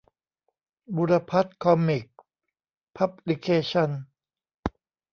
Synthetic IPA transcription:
bu˧ɾa˧pʰa˦˥t̪̚kʰɔ˧mːi˨˩k̚ | pʰa˦˥p̚li˧kʰeː˧t͡ɕʰɔ˧n

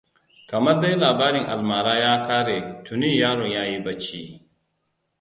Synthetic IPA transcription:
kɐ˨mɐ˦rda˦jlaː˨baː˦ɾɪ˨ŋʔa̰˨lmaː˨ɾaː˦jaː˦kʰaː˦ɾe˨tʊ˨niː˦˨jaː˦ɽɔ˨ɲjaː˦ji˦bɐ˦t͡ʃːi˦

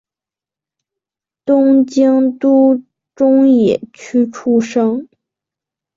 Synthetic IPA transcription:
t̪ʊ˥ŋt͡ɕi˥ŋt̪u˥ | ʈ͡ʂʊ˥ŋjɛ˨˩t͡ɕʰy˥ʈ͡ʂʰu˥ʂɤ˥ŋ

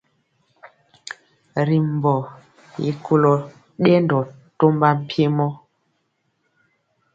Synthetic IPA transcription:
ɾi˨m˨bɔ˨ | jḭ˨˦kʰu˦lɔ˨ | ɗɛ˦ndɔ˨to˦mba˦m̩˦pje˦mɔ˦

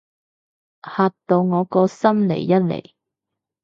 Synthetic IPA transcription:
haː˧tt̪o˧wŋɔː˨˧kɔː˧sɐ˥mlḛ˨˩jːɐ˥t̚lḛ˨˩j

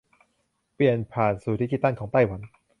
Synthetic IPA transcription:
pli˨˩ənpʰaː˨˩nsuː˨˩t̪ʰi˦˥kːi˧˩t̪ːa˥˩ŋkʰɔː˩˦ŋt̪a˥˩jwa˩˦n

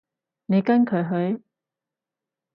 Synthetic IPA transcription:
ne˨˧jkɐ˥nkʰɵ˨˧˥ɥɦɵ˨˧ɥ

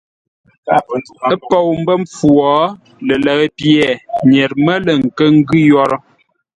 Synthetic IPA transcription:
ə˦po˨wm̩˦bə˦ɱp͡fu˨ɔ˨˦ | lə˨lə˨ɣə˦pjɛ˨ɲɛ˨ɾmə˦lə˨ŋ̩˨kə˦ŋ̩˦ɡʉ˦jɔ˦ɾɔ˦

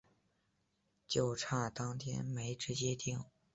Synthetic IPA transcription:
t͡ɕjo˥˩ʊʈ͡ʂʰa˥˩t̪ɑ˥ŋt̪ʰjɛ̰˥nme˧˥ɪʈ͡ʂɻ̩˧˥t͡ɕjɛ˥t̪i˥˩ŋ

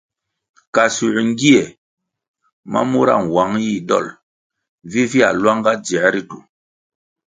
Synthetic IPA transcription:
ka˨su˨ʔŋ˦ɡi˦e˨ | ma̰˦mu˦ɾa̰˦˨ŋ˨wa˨˦ŋji˦˨ɗɔ̰˦˨l | vi˦vi˦a̰˨lwa˦ŋɡa˦d͡zɛ˨˦ɾi˦tu˨

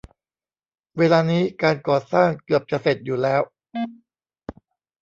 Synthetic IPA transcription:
weː˧laː˧niː˦˥kaː˧nkɔː˨˩saː˥˩ŋkɯ˨˩əp̚t͡ɕa˨˩se˨˩t̪̚juː˨˩lɛː˦˥w

